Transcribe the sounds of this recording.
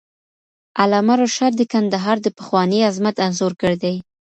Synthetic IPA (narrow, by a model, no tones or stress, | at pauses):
alɑmaɾoʃaɾd̪əkand̪aɦɑɾd̪əpəxwɑniazmat̪anzoɾkəɽed̪aj